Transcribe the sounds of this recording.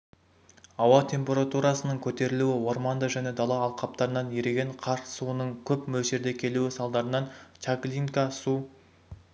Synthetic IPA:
ɑwɑt̪ʲʰe̞mpʲe̞ɾat̪uɾɑsənəɴkʲʰɵt̪e̞ɾɪluɪwo̞ɾmɑnd̪əʒæne̞d̪ɑlˠɑːlˠqʰɑp̚t̪ɑɾənɑnjeɾe̞ɡʲeɴqʰɑɾsuənəɴkʲʰɵpmɵlʒe̞ɾd̪ekʲʰe̞luɪsɑlˠd̪ɑɾənɑnt̪ʲaklʲiŋkasu

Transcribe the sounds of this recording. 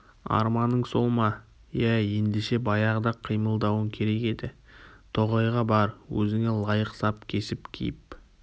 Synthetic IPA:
ɑ̰ɾmɑnːəɴso̞lˠmɑ | jæje̞nd̪eʃe̞bɑjɑʁəd̪ɑqʰijməlˠd̪ɑwəŋkʲʰe̞ɾe̞ke̞d̪ɪ | t̪ʰo̞ʁɑjʁɑbɑɾwɵzɪŋe̞lˠɑjəqsɑp̚kʲʰe̞sɪpkʲʰḭjɪp̚

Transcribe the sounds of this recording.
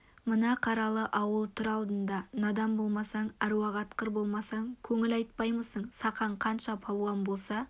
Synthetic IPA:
mənɑqʰɑɾɑlˠəʔɑwəlˠt̪ʰʏɾɑlˠd̪ənd̪ɑnɑd̪ɑmbo̞lˠmɑsɑɴæɾuɑʁɑt̪qəɾbo̞lˠmɑsɑŋkʲʰɵŋɪlɑjt̪̚pɑjməsəɴsɑqɑɴqʰɑnʃɑpʰɑlˠuɑmbo̞lˠsɑ

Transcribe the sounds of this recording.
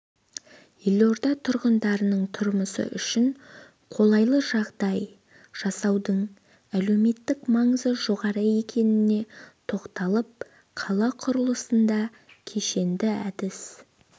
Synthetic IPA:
jelʲo̞ɾd̪ɑt̪ʰʊɾʁənd̪ɑɾənəɴt̪ʰʊɾməsə̰ʔʏʃɪɴ | qʰo̞lˠɑjlˠəʒɑʁd̪ɑj | ʒ̥ɑsɑwd̪əɴ | æle̞wme̞t̪ːɪkmɑɴəzəʒo̞ʁɑɾəe̞kʲʰe̞nɪne̞t̪ʰo̞qt̪ɑlˠəp̚ | qʰɑlˠɑqʰʊɾəlˠəsənd̪ɑ | kʲʰe̞ʃe̞nd̪ɪæd̪ɪs

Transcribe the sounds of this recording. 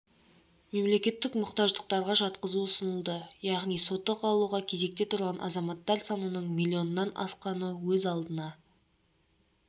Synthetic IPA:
me̞mle̞kʲe̞t̪ːɪkmʊqt̪ɑʒd̪əq̚t̪ɑɾʁɑʒɑt̪qəzuəsənəlˠd̪əjɑʁnijso̞t̪ːəqʰɑlˠuʁɑkʲʰe̞ze̞k̚t̪e̞t̪ʰʊɾʁɑnʔɑ̰zɑmɑt̪ːɑɾsɑnənəɴmilʲˠːio̞nənɑnɑ̰sqɑnəwɵzɑlˠd̪ənɑ

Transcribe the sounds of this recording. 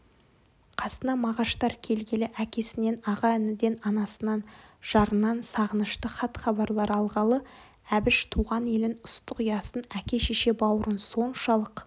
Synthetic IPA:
qʰɑsənɑmɑʁɑʃt̪ɑɾkʲʰe̞lɡʲe̞lɪʔækʲe̞sɪne̞nɑʁɑɪnɪd̪e̞nɑnɑsənɑnʒ̥ɑɾənːɑnsɑʁənəʃt̪əχɑt̪χɑbɑɾlˠɑɾɑlˠʁɑlˠə | æbɪʃt̪ʰuʁɑne̞lɪnʊst̪əqijɑsənækʲe̞ʃeʃe̞bɑwəɾənso̞nʃɑlˠəq

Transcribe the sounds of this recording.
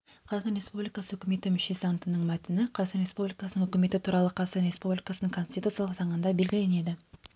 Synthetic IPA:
qʰɑzɑt̪ɑnɾʲe̞spublʲijkɑsəɵ̥kʲɪme̞t̪ɪmʏʃesant̪ənəɴmæt̪ɪnɪqʰɑɑnɾʲe̞spublʲijkɑsənəŋɵkʲɪme̞t̪ɪt̪ʰuɾɑlˠəqʰɑsəɾʲe̞spublʲikɑsənəŋkʰo̞nst̪it̪ut̪sjɑlˠəqt̪ʰɑɴənd̪ɑbe̞lɡʲɪle̞ne̞d̪ɪ

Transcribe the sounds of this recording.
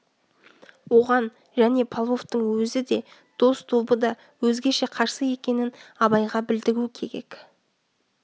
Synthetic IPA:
wo̞ʁɑn | ʒæne̞pʰalˠvo̞ft̪əɴwɵzɪd̪e̞ | d̪̥o̞st̪ʰolˠbəd̪ɑ | wɵzɡʲe̞ʃe̞qʰɑɾsəje̞kʲe̞nɪnɑβɑjʁɑbɪld̪ɪɾukʲʰe̞ɾe̞̰k

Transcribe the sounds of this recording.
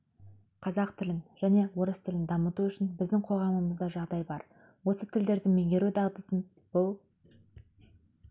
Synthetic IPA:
qʰɑzɑqt̪ʰɪlɪnʒ̥æne̞wo̞ɾəst̪ʰɪlɪnd̪ɑmət̪uʏʃɪnbɪzd̪ɪŋqʰo̞lˠʁɑməməzd̪ɑʒɑʁd̪ɑjbɑɾ | wo̞sət̪ʰɪld̪e̞ɾd̪ɪŋmeŋɡʲe̞ɾud̪ɑʁd̪əsən | b̥ʊlˠ

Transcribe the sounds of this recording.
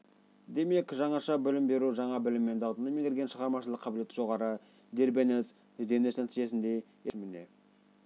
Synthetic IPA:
d̪e̞me̞kʒɑɴɑʃɑbɪlɪmbeɾuʒɑɴɑbɪlɪmːe̞nd̪ɑwt̪ənəmeŋɡ̪ʲɪɾɡʲe̞nʃəʁɑɾmɑʃəlˠəqʰːɑbɪle̞t̪ɪʒo̞ʁɑɾə | d̪e̞ɾbenes | ɪzd̪e̞nɪsnæt̪iʒe̞sɪnd̪e̞ | jemɪne

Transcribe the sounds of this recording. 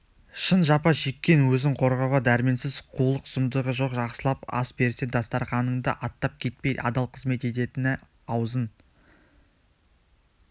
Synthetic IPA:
ʃənʒɑpɑʒe̞kʲːe̞nwɵzɪɴqʰo̞ɾʁɑwʁɑd̪æɾɪme̞nsɪzqʰulˠəqz̥ʊmd̪əʁəʒo̞qʒɑqsəlˠɑpɑ̰sbe̞ɾse̞nd̪ɑst̪ɑɾχɑnəɴd̪ə̰ʔɑt̪ːɑp̚kʲʰe̞t̪̚pe̞j̪ɑ̰d̪ɑlˠqʰəzme̞t̪e̞t̪̬e̞t̪ɪnɪ | ɑwzən

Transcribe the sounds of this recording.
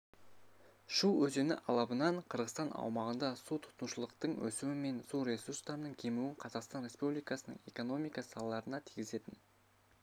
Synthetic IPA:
ʃuwɵze̞nɪ̰ʔɑlˠɑpənɑɴqʰəɾʁəst̪ɑnʔɑ̰wmɑʁənd̪ɑsut̪ʰʊ̥t̪nuʃəlˠəqt̪əɴwɵ̰suwɪme̞nsuɾʲe̞surst̪ɑɾənəɴkʲʰemuɪɴqʰɑzɑqst̪ɑnɾʲe̞spublijkɑsənə̰ɴe̞̰ko̞no̞mijkɑssɑ̰lˠɑlˠɑɾənɑt̪ʰijɡʲɪze̞t̪ɪn

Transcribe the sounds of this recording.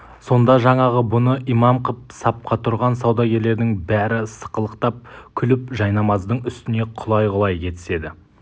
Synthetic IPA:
so̞nd̪ɑʒɑɴɑʁəbʊnəijmɑmqʰəp̚sɑp̚qɑt̪ʰʊɾʁɑnsɑwd̪ɑɡʲe̞ɾle̞ɾd̪ɪŋbæɾɪsə̥qəlˠəqt̪ɑp̚kʲʰʏlɪpʒɑjnɑmɑzd̪əɴʏst̪ɪne̞qʰʊlˠɑjʁʊlˠɑjkʲʰe̞t̪ɪ̥se̞d̪ɪ

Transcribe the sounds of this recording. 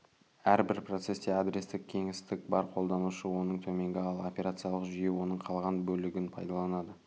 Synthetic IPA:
æɾbɪɾpro̞t̪se̞sd̪ead̪ɾʲe̞st̪ɪk̚ʲʰe̞ŋɪst̪ɪk̚bɑɾqʰo̞lˠd̪ɑnuʃəwo̞nəɴt̪ʰɵme̞ŋɡʲɪɑlˠo̞pʲe̞ɾat̪sijɑlˠəqʒʏje̞wo̞nəɴqʰɑlˠʁɑnbɵlɪɡʲɪnpʰɑjd̪ɑlˠɑnɑd̪ə

